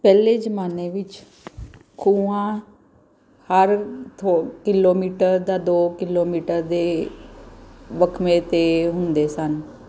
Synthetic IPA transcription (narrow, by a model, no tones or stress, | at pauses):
pɛːleːd͡ʒəmaːneːʋɪt͡ʃ | kʰuːãː | həɾt̪ʰokɪloːmiːʈəɾd̪aːd̪oːkɪloːmiːʈəɾd̪eː | ʋəkʰmẽːt̪eːɦʊnd̪eːsən